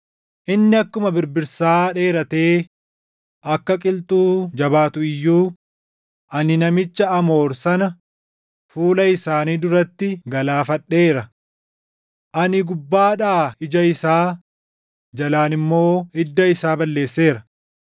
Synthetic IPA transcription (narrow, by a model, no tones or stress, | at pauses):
ʔɪnːɪɐkːʊmɐbɪɾbɪɾsaːᶑe̞ːɾɐt̪e̞ː | ʔɐkːɐkʼɪlt̪ʼuːd͡ʒɐbaːt̪ʊɪjːuː | ʔɐnɪnɐmɪt͡ʃːɐɐmo̞ːɾsɐnɐ | fuːlɐɪsaːniːd̪ʊɾɐt̪ːɪɡɐlaːfɐᶑːe̞ːɾɐ | ʔɐnɪɡʊbːaːᶑaːɪd͡ʒɐɪsaː | d͡ʒɐlaːnɪmːo̞ːɪd̪ːɐɪsaːbɐlːe̞ːsːe̞ːɾɐ